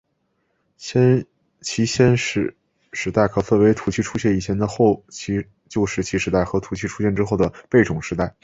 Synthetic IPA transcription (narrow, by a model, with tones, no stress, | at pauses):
ɕɛ˥n | t͡ɕʰi˧˥ɕjɛ˥nʂ̩˥˧˩ | ʂɻ̩˧˥t̪a˥˩ɪkʰɤ˨˩fə˥˩nwe˧˥ɪt̪ʰu˨˩t͡ɕʰi˥˩ʈ͡ʂʰu˥ɕjɛ˥˩ni˨˩t͡ɕʰjɛ˧˥nd̪ə˨xo˥˧ʊt͡ɕʰi˧˥ | t͡ɕjo˥˧ʊʂɻ̩˥˩t͡ɕʰi˧˥ʂɻ̩˧t̪a˥˩ɪxɤ˧˥t̪ʰu˨˩t͡ɕʰi˥˧ʈ͡ʂʰu˥ɕjɛ˥˩nʈ͡ʂɻ̩˥xo˥˩ʊd̪ə˩pe˥˩ɪʈ͡ʂʊ˨˩ŋʂɻ̩˧˥t̪a˥˩ɪ